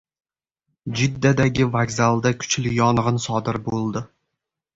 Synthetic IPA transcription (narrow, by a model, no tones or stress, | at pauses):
d͡ʒɪd̪ːad̪aɡʲɪvaɡzalˠd̪akʲʰʊ̥t͡ʃʰlɪjɒnʁɨnsɒd̪ɪɾbolˠd̪ɪ